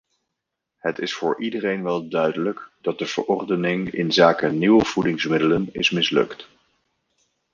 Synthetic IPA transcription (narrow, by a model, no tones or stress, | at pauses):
hətɪsfʊːɹʔidərejnʋɛlˠdœɥdələkd̥ɑt̚dəv̥ə̰ɹʔɔrdənɪŋɪ̰nzaːkəniwəv̥udɪŋsmɪdələnɪsmɪslɵ̰kt